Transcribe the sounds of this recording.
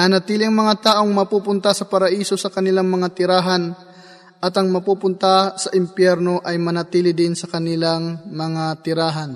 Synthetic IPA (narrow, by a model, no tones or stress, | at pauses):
nɐnɐt̪iːlɪɐŋmɐŋat̪aːʔo̞ŋmɐpuːpʊnt̪asɐpɐɾɐʔiːso̞sɐkɐnɪlaŋmɐŋat̪ɪɾaːɦɐn | ʔɐt̪ɐŋmɐpuːpʊnt̪asɐʔɪmpjɛɾno̞ʔɐjmɐnɐt̪iːlɪd̪ɪnsɐkɐnɪlaŋmɐŋat̪ɪɾaːɦɐn